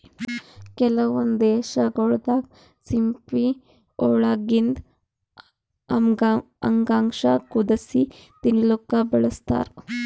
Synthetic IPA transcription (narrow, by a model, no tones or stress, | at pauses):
kɛlɐʋɐnd̪eːʃaɡoɭd̪ak | t͡simpi | oɭaɡind̪ | ɐ̰ŋɡaŋʂakud̪ɐsit̪inilokːabɐɭəst̪a̰ɾ